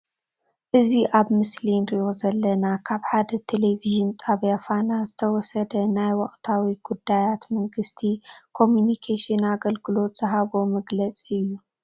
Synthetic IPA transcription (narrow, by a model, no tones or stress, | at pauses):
ʔɨziʔaβmɨslinɾio̞zɐlːɐnakʰaβħad̪ɐt̪ʰeleviʒɨnt̪ʼaβjafanazɨt̪ʰɐwɔsɐd̪ɐnajwɔχʼt̪ʰawiɡ̥ud̪ːajat̪mɐŋɡɨst̪ʰikʰo̞mjunikʰeʃɨnaɡɐlɡɨlo̞t̪z̥ɨɦaβomɐɡlɐt͡sʼiɨjːu